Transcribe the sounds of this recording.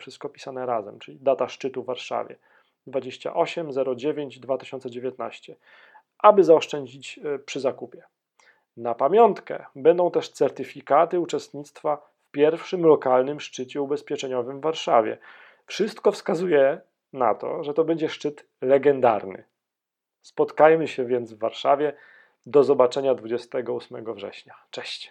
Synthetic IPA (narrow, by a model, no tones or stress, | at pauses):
fʂɨst̪̚kɔpʲi̥sanɛɾazɛmt͡ʂɘlʲid̪at̪aʂt͡ʂɘt̪uvːaɾʂa̰vʲjɛ̰ | d̪vad͡ʑeɕt͡ɕa̰ʔɔɕɛmzɛɾɔd͡ʑevʲjeɲd͡ʑd̪vat̪ɪ̥ɕɔnt̪sɛd͡ʑevʲjɛt̪na̰ɕt͡ɕɛ | ʔabɘzaɔʂt͡ʂɛɲd͡ʑit͡ɕpʂɘzakupʲjɛ | napamʲjɔnt̪kɛ̰bɛnd̪ɔ̃w̃t̪ɛʂt̪sɛɾt̪ɘfʲikat̪ɘut͡ʂɛst̪ɲit̪st̪fa | fpʲjɛɾfʂɘmlɔkalnɘmʂt͡ʂɘt͡ɕɛubɛspʲjɛt͡ʂɛɲɔvɘmvːaɾʂavʲjɛ̰ | fʂɘst̪kɔfskazujɛ | na̰t̪ɔ̰ʐɛt̪ɔbɛɲd͡ʑɛʂt͡ʂɘt̪ | lɛɡɛnd̪a̰ɾnɘ̰ | spɔt̪kajmɘɕɛvʲjɛnd̪zvːa̰ɾʂavʲjɛ | d̪ɔzɔbat͡ʂɛɲad̪vud͡ʑɛst̪ɛɡɔusmɛ̰ɡɔvʐɛ̰ɕɲat͡ʂɛɕt͡ɕ